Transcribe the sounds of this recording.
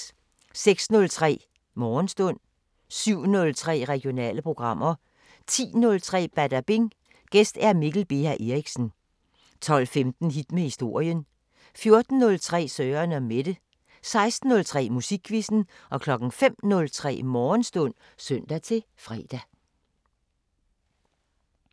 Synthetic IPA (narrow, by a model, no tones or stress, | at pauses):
seɡ̥snɔ̽lt͡sʰʁɛ̰ː | mɒːnsd̥ɔ̽n̰ | syʊ̰nɔ̽lt͡sʰʁɛ̰ːʁɛɡ̥ijo̝nɛ̰ːləpʰʁo̝ɡ̥ʁɑ̈m̰ɐ | t͡sʰḭːnɔ̽lt͡sʰʁɛ̰ːb̥æd̥æb̥e̝ŋ | ɡ̥esd̥æɐmiɡ̥l̩b̥e̝̰æʔe̝ʁiɡ̥sn̩ | t͡sʰɒ̽l̰femd̥n̩ɦid̥mehisd̥o̝ɐ̰jən | fjo̝ɐd̥n̩ːɔ̽lt͡sʰʁɛ̰ːsœːɐnæmed̥ə | sɑ̈ɪsd̥n̩ːɔ̽lt͡sʰʁɛ̰ːmusiɡ̥ʰʋisn̩ʔɒ̽kʰlɒ̽ɡ̥n̩fem̰nɔ̽lt͡sʰʁɛ̰ːmɒːnsd̥ɔ̽n̰ | søn̰d̥æt͡sʰe̝ | fʁɛ̰ːd̥æ